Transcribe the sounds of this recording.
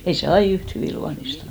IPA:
ei se ɑi yht hyʋiˑ luɑnistɑn

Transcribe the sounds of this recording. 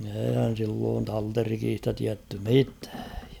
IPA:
eːihæn̞ silːoːn tɑlterikiːstɑ tiætːy mitæ̥ː

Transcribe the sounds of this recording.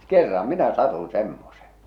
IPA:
kerːɑ minæ sɑtun̞ semːose̥

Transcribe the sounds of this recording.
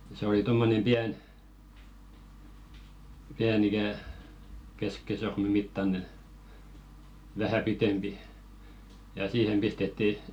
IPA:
se oli tomːonem piæn piæn ikæˑ keskisorme mitːɑne ʋæhæ pitempi jɑ siːhem pistetːi

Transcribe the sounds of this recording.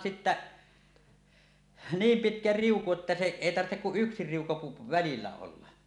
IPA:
sitːæ niːm pitkæ riuku etːæ se eˑi tɑrtːek kuʔ ʔyksi riuku pu ʋælilːæ olːɑ

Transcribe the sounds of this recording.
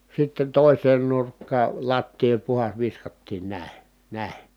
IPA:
sitːen toˑiseːn nurkːɑː lɑtːiː olʲ puhɑs ʋiskɑtːiːn næˑi̯ næˑi̯

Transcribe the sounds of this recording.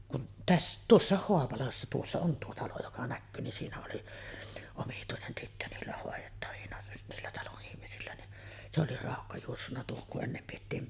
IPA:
kun tæsː tuosːɑˑeh hoɑpɑlɑsːɑ tuosːɑ on tuo tɑlo jokɑ nækːyː ni siːnæ oli omituinen tytːø niːlːæ hoˑejetːɑʋinɑ niːlːæ tɑloʔ ʔihmisilːæ ni se oli rɑˑokːɑ juosːunːɑ tuohoŋ kuʔ ʔenːem pietːiːm

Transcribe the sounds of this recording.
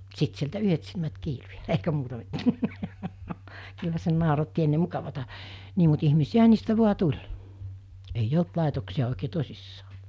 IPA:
sit sieltæ yhet silmæt kiːlu jɑ eikæ muːtɑ mitːæː kylːæ se nɑˑorɑtːi enːe mukɑʋɑtɑ niː mut ihmisiæɦɑ niːstæ ʋu̞ɑ tulʲ eij olt lɑˑetoksiɑ oˑikeː tosisːɑː

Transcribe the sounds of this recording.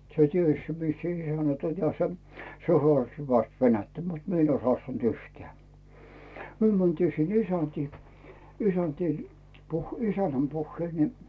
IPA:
se ties mis se̥ isænæt olʲ jɑ se hŏɑˑsti̥ hyʋæst ʋenætːæ mut mie n oĭs hŏɑˑstɑnt yhteæˑ myø mæntiː sinː isæntiː isæntiː puh isænˑæm puhːeil ni

